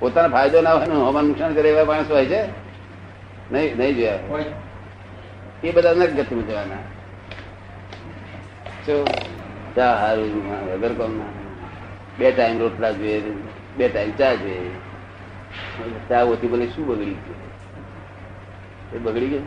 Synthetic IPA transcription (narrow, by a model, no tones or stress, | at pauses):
pot̪anapʰajd̪onaʋʱanũɦəmanuksankəɾeʋaʋaɽ̃əsʋajt͡ʃʰe | nəinəĩd͡ʒoja | ebəd̪anakɡət̪ʰiməd͡ʒeʋana | t͡ʃʰo | t͡ʃaɦaɾod͡ʒuãɡʱəɡəɾkɔmna | beʈaimɾoʈlad͡ʒoe | beʈaimt͡ʃad͡ʒe | t͡ʃaot̪ʰiməleʃũbəɡɽit͡ʃʰe | ebəɡɽike